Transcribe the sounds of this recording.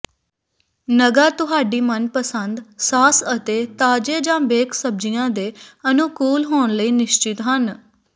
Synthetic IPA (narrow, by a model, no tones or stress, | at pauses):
nəɡaːt̪ʊɦaːɖiːmənpəsənd̪saːsət̪eːt̪aːd͡ʒeːd͡ʒãːbeːkʰsəb̚d͡ʒijãːd̪eːənukuːlɦoːnləiːnɪʃt͡ʃɪt̪ɦən